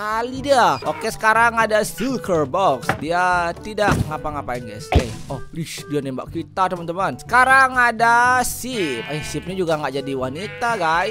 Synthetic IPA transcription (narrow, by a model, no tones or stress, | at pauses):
alidaokesə̥kaɾaŋadasilkərbɔksdiat̪idaʔŋapaŋapainɡa̰jsejɔhliʃdianemba̰ʔkit̪at̪əmənt̪əmansə̥kaɾaŋadasipasip̚ɲad͡ʒuɡaŋɡaʔd͡ʒadiwanit̪aɡaj